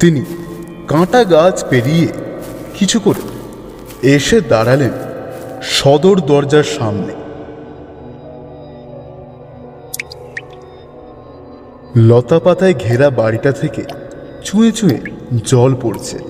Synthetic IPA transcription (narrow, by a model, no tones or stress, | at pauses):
t̪ini | kãʈaɡat͡ɕpeɾije | kit͡ɕʰukoɾḛ | eʃed̪aɽalen | ʃɔd̪oɾd̪ɔɾd͡ʑaɾʃamne | lɔt̪apat̪aeɡʱeɾabaɽiʈat̪ʰeke | t͡ɕũet͡ɕũḛd͡ʑɔlpoɾet͡ɕʰḛ